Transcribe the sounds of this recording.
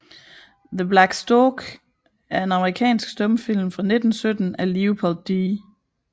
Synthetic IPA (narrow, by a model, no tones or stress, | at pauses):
ðəblæɡ̥sd̥ɔɡ̥ | æɐe̝nɑ̈məʁikʰɛ̰ːnsɡ̥sd̥ɔ̽mfil̰mfʁɑ̈ne̝d̥ən̩sød̥ən̩æliupʰɒldːiː